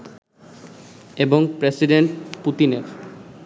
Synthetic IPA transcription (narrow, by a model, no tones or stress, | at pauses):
eboŋpɾesiɖeɳʈput̪inef